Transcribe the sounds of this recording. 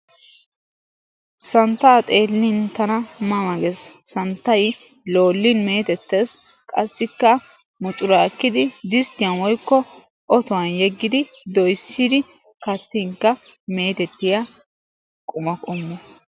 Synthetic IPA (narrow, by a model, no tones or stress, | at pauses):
sɐnt̪ːaːt̪ʼe̞ːlːɪnt̪ɐnɐmɐmɐɡɛsːɐnt̪ːɐj | lo̞ːlːɪnme̞ːt̪ɛt̪ːeːs | kʼɐsːɪkːɐ | mʊt͡ʃʼʊɾaːkːɪd̪ɪd̪ɪst̪ːɪjɐnwɔjkːɔ | ʔɔt̪ʊwɐnjɛɡːɪd̪ɪ | d̪ɔjsːɪd̪ɪ | kɐt̪ːɪŋkːɐ | meːt̪ɛt̪ːɪjɐ | kʼʊmɐkʼʊmːɛ